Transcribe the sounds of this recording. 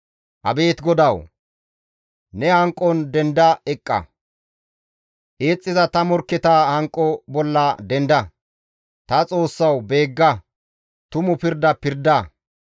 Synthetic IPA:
ʔɐ̰be̞ːt̪ɡɔd̪ɐw | nɛhɐŋkʼːɔnd̪ɛnd̪ɐɛkʼːɐ̰ | ʔe̞ːt͡sʼːɪzɐt̪ɐmɔɾkːɛt̪aːhɐŋkʼːɔbɔlːɐd̪ɛnd̪ɐ | t̪ɐt͡sʼo̞ːsːɐwbe̞ːɡːɐ | t̪ʊmʊpɪɾd̪ɐpɪɾd̪ɐ

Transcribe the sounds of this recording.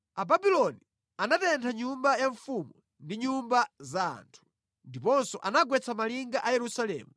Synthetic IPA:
ababilɔni | anatɛntʰaɲumbajaɱfumu | ndiɲumbaza̰ːntʰu̥ | ndipɔnsɔʔanaɡwɛt͡sʰamaliŋɡaʔajɛɾusalɛ̰ːmu

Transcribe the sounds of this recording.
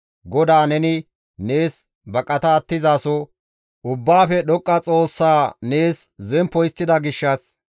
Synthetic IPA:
ɡɔd̪aːnɛnɪ | ne̞ːs | bɐkʼːɐt̪ɐːt̪ːɪzaːsɔ | ʔʊbːaːfɛɗɔkʼːɐt͡sʼo̞ːsːaːne̞ːszɛmpːɔjɪst̪ːɪd̪ɐɡɪʃːɐs

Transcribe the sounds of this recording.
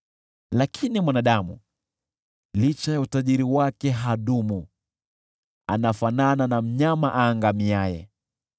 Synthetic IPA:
lakʰinimwanaɗamu | lit͡ʃajautaʄiɾiwakɛɦaɗumu | a̰nafanananam̩ɲamaʔaːŋɡamiajɛ̰

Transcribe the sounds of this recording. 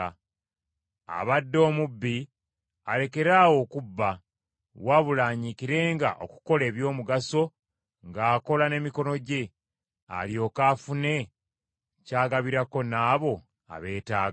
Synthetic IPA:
a̰βadːo̞ːmubːi | ale̞ke̞ɾaːwo̞kubːa | waβulaːɲikiɾe̞ːŋɡa̰ʔo̞̰ku̥ko̞le̞ːβjo̞ːmuɡaso̞ | ŋɡaːko̞lane̞miko̞no̞ɟe̞ | a̰ljo̞ːkaːfune̞ | caːɡaβiɾako̞naːβo̞ | a̰βe̞ːtaːɡ

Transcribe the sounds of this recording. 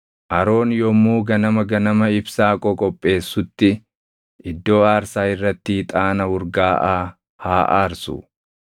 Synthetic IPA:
ʔɐɾo̞ːnjɔmːuːɡɐnɐmɐɡɐnɐmɐɪbsaːkʼɔkʼɔpʼːe̞ːsːʊt̪ːɪ | ʔɪd̪ːo̞ːaːɾsaːɪrːɐt̪ːɪɪt̪ʼaːnɐʊɾɡaːʔaː | haːʔaːɾsʊ̰

